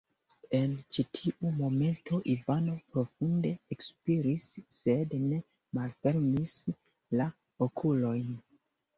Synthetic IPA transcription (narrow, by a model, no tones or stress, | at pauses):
e̞nt͡ʃitʰiʔumo̞me̞ntʰo̞ʔivano̞pɾo̞funde̞ekspiɾisːedne̞ | malfe̞ɾmis | la | okʰulo̞jn